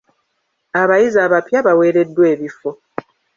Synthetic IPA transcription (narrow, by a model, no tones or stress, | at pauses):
aβajizaːβapjaβawe̞ːɾe̞dːwe̞ːβifo̞